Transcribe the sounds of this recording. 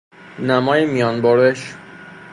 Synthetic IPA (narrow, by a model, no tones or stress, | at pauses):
næmɒːjemijɒːnboɾeʃ